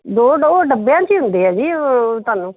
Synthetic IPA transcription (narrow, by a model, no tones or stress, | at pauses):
d̪oːɖoːɖəbejãːt͡ʃiːɦʊnd̪eːɛːd͡ʒiːot̪ʊaːnũː